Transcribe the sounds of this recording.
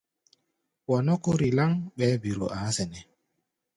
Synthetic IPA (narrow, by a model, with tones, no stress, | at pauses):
wɔ˨nɔ˦ko˦ɾi˨la˦ŋɓɛ˨˦bi˨ɾo̰˨ʔa˨˦sɛ˨nɛ˨